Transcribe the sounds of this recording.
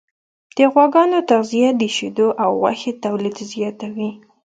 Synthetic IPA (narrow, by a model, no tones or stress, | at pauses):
d̪̥əɣwɑɡɑnot̪aqzijad̪əʃed̪oʔawwa̰xet̪awlid̪zjɑt̪awi